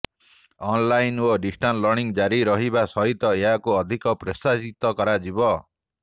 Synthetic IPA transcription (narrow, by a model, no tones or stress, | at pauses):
ɔnlajnoɖisʈʰanlɔɾɳiŋd͡ʒaɾiɾɔɦibasɔɦit̪ɔeɦakuɔd̪ʱikɔpɾesasit̪ɔkɔɾad͡ʒibɔ